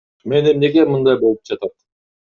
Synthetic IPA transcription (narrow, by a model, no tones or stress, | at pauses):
me̞ne̞mne̞ɡe̞mɯnd̪ɑjbo̞lˠup̚d͡ʒɑt̪ɑt̪